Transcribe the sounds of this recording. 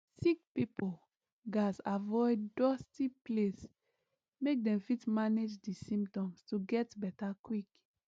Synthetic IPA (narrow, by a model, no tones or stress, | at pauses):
sik̚pipol | ɡasavɔɪddɔstiples | mek̚dɛ̃mfitmaned͡ʒdisĩmptɔ̃mstuɡɛtbɛtakwik